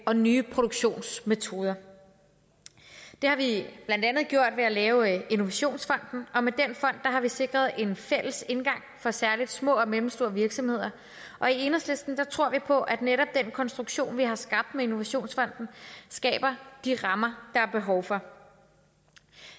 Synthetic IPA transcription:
ɒ̽nyːpʰʁo̝ɾ̥oɡ̥ɕo̝̰ːnsme̝t͡sʰo̝ːð̞ˠɐ | d̥e̝hɑ̈ʋib̥læn̰d̥ænð̞̩ˠɡjo̝ɐ̰d̥ʋeælɛːʊino̝ʋæɕo̝̰ːnsfɒ̽n̰d̥n̩ʔɒ̽med̥enfɒ̽n̰d̥ːɑ̈ɦɑ̈ʋise̝ɡ̥ʁɐð̞ˠe̝nfel̰əse̝nɡ̥ɑ̈ŋ̰fɒ̽sæɐlid̥smɔ̰̽ːɒ̽melm̩sd̥o̝ːɐʋiɐɡ̥sɒ̽mhe̝ð̞̰ˠɐ | ʔɒ̽ie̝nɐsle̝sd̥n̩d̥ɑ̈t͡sʰʁo̝ɐ̰ʋipʰɒ̽ʔæd̥neɾɒ̽b̥̚d̥en̰kʰɒ̽nsd̥ʁuɡ̥ɕo̝̰ːnʋiɦɑ̈sɡ̥ɑ̈b̥̚d̥mee̝no̝ʋæɕo̝̰ːnsfɒ̽n̰d̥n̩sɡ̥ɛ̰ːb̥ɐd̥iʁɑ̈mɐd̥ɑ̈æɐb̥e̝ɦɒʊfɒ̽

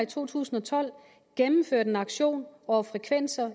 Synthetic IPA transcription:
it͡sʰo̝̰ːt͡sʰṵːsn̩ɒ̽t͡sʰɒ̽l̰ | ɡ̥emm̩føɐ̰d̥enɑ̈ɡ̥ɕo̝̰ːnɒfʁɛkʰʋen̰sɐ

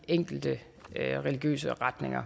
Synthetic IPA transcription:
eŋ̰ɡ̥l̩d̥ə | ʁɛliɡ̥jø̰ːsəʁad̥ne̝ŋɐ

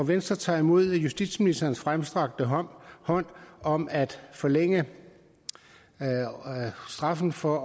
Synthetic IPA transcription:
ɒʋensd̥ʁɐt͡sʰɑ̰̈ːimo̝ð̞̰ˠjusd̥id̥sminisd̥ɐːn̩sfʁamsd̥ʁɑ̈ɡ̥̚d̥əɦhɒ̽n̰ɒ̽mæd̥fɒ̽leŋ̰ə | sd̥ʁɑ̈fn̩fɒ

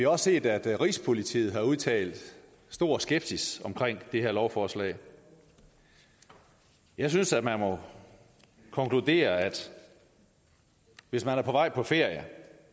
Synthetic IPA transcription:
ʋihɑ̈ɒ̽sse̝̰ːd̥æd̥ʁḭspʰo̝lit͡sʰḭːð̩ˠɦɑ̈uð̞ˠt͡sʰɛ̰ːld̥ | sd̥o̝ɐ̰sɡ̥eb̥sisɒ̽mkʰʁeŋ̰d̥e̝he̝ɐlɒʊfɒːslɛ̰ːɪ | jɑ̈ɪsynsæd̥mænmɒ̽ | kʰɒ̽ŋkʰlud̥e̝̰ːɐæd̥ | ʋe̝smænæɐpʰɒ̽ʋɑ̈ɪ̰pʰɒ̽fe̝ɐ̰jə

